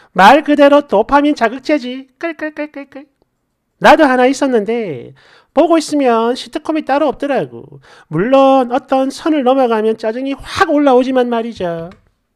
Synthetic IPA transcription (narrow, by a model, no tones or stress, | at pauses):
maɭkɯde̞ɾotopʰamjʌnt͡ɕaɡɯk̚t͡ɕ͈ʰed͡ʑik͈ɯɭk͈ɯɭk͈ɯɭk͈ɯɭk͈ɯɭ | nadohanais͈ʌnːɯnde̞ | poɡois͈ɯmjʌnɕʰitʰɯkʰomit͈aɾʌʌp̚t͈ʌɾaɡo̰ | muɭːonʌt͈ʌnsʰʌnɯɭnʌmʌɡamjʌnt͡ɕ͈ad͡ʑɯŋiɸwaɡoɭːaod͡ʑimanmaɾid͡ʑa